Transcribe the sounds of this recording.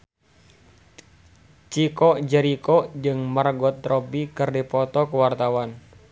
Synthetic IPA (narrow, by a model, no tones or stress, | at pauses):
t͡ʃikɔd͡ʒɛɾikɔd͡ʒɨŋmarɡɔt̪ɾɔbikɨrdipɔt̪ɔkəwart̪awan